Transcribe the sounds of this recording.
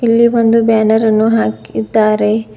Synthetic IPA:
ilːiʋond̪ubaːnɐɾɐnːuɦaːkid̪ːaːɾe

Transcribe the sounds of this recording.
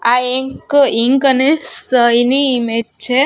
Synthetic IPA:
aeŋkiŋkənesəiniːmed͡ʒt͡ʃʰe

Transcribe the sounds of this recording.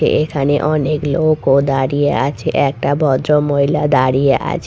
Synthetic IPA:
ḛʔekʰaneʔɔneklokkod̪aɽijea̰t͡ʃʰeʔɛk̚ʈabʱɔd̪ɾomoɦilad̪aɽijeʔa̰t͡ʃʰ

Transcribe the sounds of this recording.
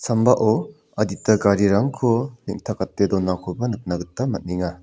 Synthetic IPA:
sambaʔɔ | ɐditɐɡaɾiɾaŋkʰoniŋtʰakatːedɔnakʰɔbɐnɯk̚naɡɯtːɐmɐt̚niŋa

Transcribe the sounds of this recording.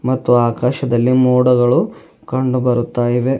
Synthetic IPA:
mɐt̪ːuaːkaːʃɐd̪ɐlːimuːɽɐɡɐɭu | kɐɳɖubɐɾut̪ːaːjiʋe̞

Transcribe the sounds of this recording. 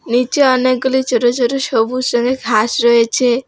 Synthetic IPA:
nit͡ʃeɔneɡɔlit͡ʃɔɾot͡ʃɔɾusobusɔŋɡeɡʱasɾɔet͡ʃʰe

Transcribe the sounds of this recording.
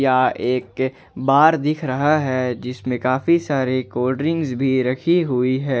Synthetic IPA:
jaeːk | baːɾd̪ɪkʰɾɐɦaɦɛd͡ʒɪsmẽkaːfisaːɾekɔːɖəɾɪ̃ŋɡzbʱiɾɐkʰiɦʊiɦɛː

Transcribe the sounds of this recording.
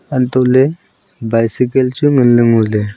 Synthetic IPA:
ant̪ɔʔlɛ | bajsikəlt͡ʃuŋənləŋulɛ

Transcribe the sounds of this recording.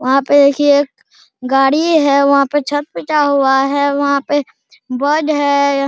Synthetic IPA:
ʋɐɦãped̪eːkʰieeːk | ɡaːɽiɦɛʋɐɦãpet͡ʃʰɐt̪̚pɪt͡ʃaɦʊaɦɛʋɐɦãpe | bəːd͡ʒɦɛ

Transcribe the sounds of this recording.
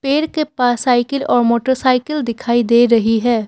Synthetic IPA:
peːɾkepaːsaːɪkəlɔːɾmoːʈəɾsaːɪkəld̪ɪkʰaːid̪eːɾɐɦiɦɛː

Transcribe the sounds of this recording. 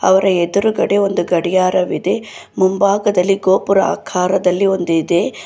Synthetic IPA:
ɐ̰ʋɐɾɐed̪uɾuɡɐɽeo̞nd̪uɡɐɽijaːɾɐʋid̪e̞mumbaːɡɐd̪ɐlːiɡo̞ːpuɾɐa̰ːkʰaːɾɐd̪ɐlːio̞nd̪id̪e̞

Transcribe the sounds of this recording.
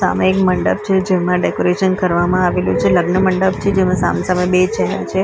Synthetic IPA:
sa̰meekməɳɖə̰b̚t͡ʃʰed͡ʒemãɖekoɾeʃənkəɾʋamãaʋelṵt͡ʃʰeləɡnəməɳɖəb̚t͡ʃʰed͡ʒemãsa̰msaməbet͡ʃɛɦɛ̰ɾt͡ʃʰe

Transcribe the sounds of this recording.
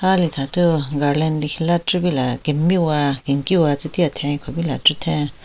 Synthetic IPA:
halit̪ʰãt̪uŋɡalenlihlaʈ͡ʂuβilakemĩwakiŋkiwat͡sit̪iat̪ʰẽĩkʷʰebilaʈ͡ʂut̪ʰẽ

